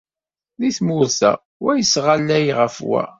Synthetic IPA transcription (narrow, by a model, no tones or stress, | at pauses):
ðiθmʊɾθæ̰ | wæjəsʁalːæjʁəfwæ̰